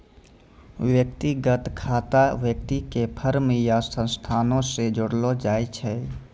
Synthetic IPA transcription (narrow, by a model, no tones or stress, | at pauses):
ʋjək̚t̪iɡət̪kʰaːt̪aʋjək̚t̪ikepʰəɾmijasə̃nst̪ʰaːnõsed͡ʒoɽlod͡ʒaːjt͡ʃʰɛ